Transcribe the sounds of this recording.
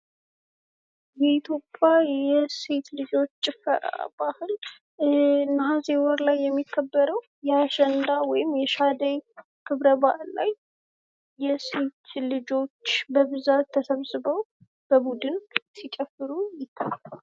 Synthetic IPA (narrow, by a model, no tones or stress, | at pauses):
jɛit̪ʰjo̞pʼːjajɛse̞t̪lɨd͡ʒo̞t͡ʃːt͡ʃʼɪfːə̰ɾa̰bahɨl | nɦazewɔɾlajːɛmːikʰːəbːəɾəw | jɛaʃɛnd̪awɔjɪmjɛʃad̪əj | kʰɨβɾəbahɨlːa̰jː | ɛse̞t̪ʰlɨd͡ʒo̞t͡ʃːbəβɨzat̪ʰːəsəβsɨβəw | b̥əbud̪ɨnsit͡ʃʼɛfɨɾujɪt̪ʰːaja